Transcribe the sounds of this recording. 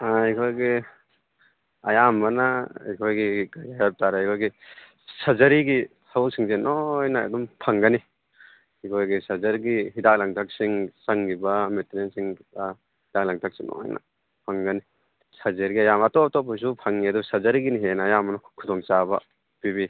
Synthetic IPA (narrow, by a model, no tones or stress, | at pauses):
aikʰojɡi | ɐ̰jambɐnaikʰojɡiɡajajap̚taɾejkʰojɡi | sazɐɾiɡisauk̚siŋzenojna̰ːdumpʰɐŋɡɐni | hikʰojɡisazɐɾɡiɦidak̚laŋtʰak̚siŋsaŋɡibɐmetɾensiŋta | hidak̚laŋtʰak̚siŋno̰jna̰ | pʰaŋɡɐni | sazeɾɡiɐjamatɔtɔpʰɔjs̬upʰaŋːiɐdusɐzɐɾiɡiniɦenaːjambɐnɐkʰudɔŋt͡ʃabɐ̰ | pibi